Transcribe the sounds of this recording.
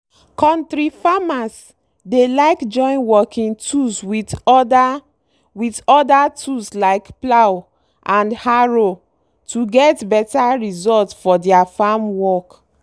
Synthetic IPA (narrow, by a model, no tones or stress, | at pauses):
kɔ̃ntɹifamas | delaɪkd͡ʒɔ̃ɪ̃nwɔkʰĩŋtʰuswitda | witɔdatʰuslaɪkplaw | ʔãndhaɹo | tuɡɛtbɛtaɹizɔltfɔdɛafamwɔk